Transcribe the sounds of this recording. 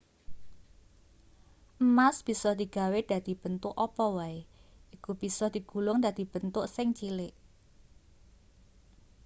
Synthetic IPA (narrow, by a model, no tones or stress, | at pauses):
ʔmasb̥i̤sɔd̪̥i̤ɡ̥a̤wed̪̥ä̤d̪̥i̤b̥ənt̪ʊʔɔpɔwaeikub̥i̤sɔd̪̥i̤ɡ̥ṳlʊŋd̪a̤d̪̥i̤b̥ə̤nt̪ʊʔsɪŋt͡ʃilɪʔ